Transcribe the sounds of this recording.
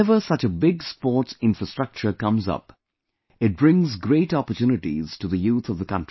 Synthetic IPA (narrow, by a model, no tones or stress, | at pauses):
ɛvə˞sʌt͡ʃəbɪɡspɔɹʈsɪ̃nfɹəstɹ̥ʌk̚t͡ʃə˞kʌ̃mzʌ̰p | ɪt̚b̥ɹɪ̃ŋzɡɾeɪʈɑpə˞tjuːnɨʈḭz̥ʈɨðəjuːθʌvðəkʌ̰̃ntɹ̥i